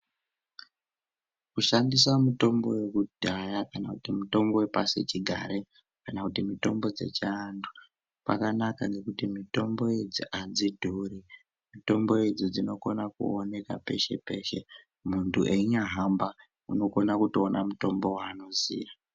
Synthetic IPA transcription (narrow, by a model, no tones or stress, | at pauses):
kuʃandisamuto̞mbo̞̰we̞kud̥ʱajakanakutimuto̞mbo̞wepasit͡ʃiɡʱa̰ɾe | kanakutimito̞mbo̞d͡ze̞̰t͡ʃaːndu | pa̰kanakaŋɡe̞kutimito̞mbo̞ed͡ziʔad͡zidʱuri | mito̞mbo̞ed͡zod͡zino̞ko̞nakṵone̞kape̞̰ʃe̞̰pe̞ʃe̞ | muntʰṵʔeiɲaɦamba | uno̞ko̞nakutoonʔa̰muto̞mbo̞waːno̞zḭːʋa